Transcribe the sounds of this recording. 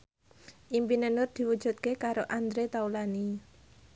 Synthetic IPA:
ʔimpinenʊrd̪̥i̤wud̥ʒ̥ṳt̪̚kekaɾoʔand̪ɾet̪aulani

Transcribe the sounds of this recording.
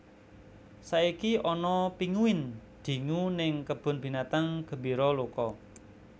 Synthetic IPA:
saikiʔɔnɔpiŋuɪnd̪̥i̤ŋunɪŋkəb̥ʊ̤nb̥i̤nat̪aŋɡ̥ə̤mbiɾɔlokɔ

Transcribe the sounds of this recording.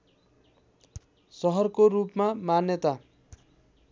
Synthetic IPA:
sʌɦʌrkorupmamanjʌt̪a

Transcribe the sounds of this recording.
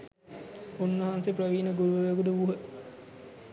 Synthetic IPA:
unːɐɦanseprəʋiːnəɡuɾuʋəʋeɡud̪əuɦə

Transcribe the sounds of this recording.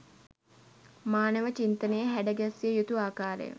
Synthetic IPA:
maːnəʋət͡ʃint̪ənəjəɦæɖəɡæsijəjut̪uaːkaːɾə̰jə̰

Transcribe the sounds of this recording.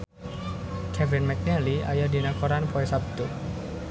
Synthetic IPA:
kʰɛvɪnmɛk̚nɛlia̰jadinakɔɾanpɔɛsab̚t̪u

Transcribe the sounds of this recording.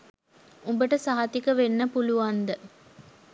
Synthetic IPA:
umbəʈəsaɦɐt̪ikəʋenːəpuluʋand̪ə

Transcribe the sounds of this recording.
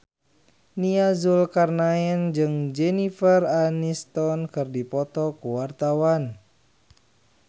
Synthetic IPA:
niazulkarnaɛnd͡ʒɨŋd͡ʒɛnifəranist̪ɔnkɨrdipɔt̪ɔkuwart̪awan

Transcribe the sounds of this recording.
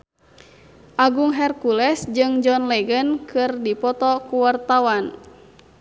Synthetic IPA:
ʔaɡuŋɦɛrkulɛsd͡ʒɨŋd͡ʒɔnlɛɡənkʰɨrdipɔt̪ɔkuwart̪awan

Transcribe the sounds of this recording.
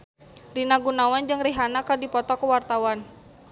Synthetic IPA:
rinaɡunawand͡ʒɨŋriɦanakərdipɔt̪ɔkəwart̪awan

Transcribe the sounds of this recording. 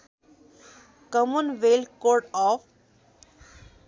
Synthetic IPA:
kəmunʋelkoɾɖɔf

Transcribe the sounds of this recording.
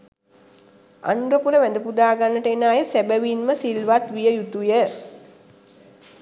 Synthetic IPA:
a̰nɾəpuɾəʋæd̪əpud̪aːɡanːəʈəenaːjəsæbəʋinməsilʋat̪ʋijəjut̪ujə

